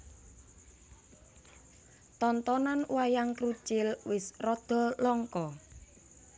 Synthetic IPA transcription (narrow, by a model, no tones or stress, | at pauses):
t̪ɔnt̪ɔnanwajaŋkɾut͡ʃɪlwɪsrɔd̪̥ɔ̤lɔŋkɔ